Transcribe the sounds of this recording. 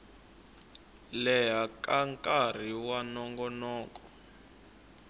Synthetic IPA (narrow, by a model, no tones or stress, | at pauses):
lɛɦakʼaŋkʼar̤iwanɔŋɡɔnɔːkɔ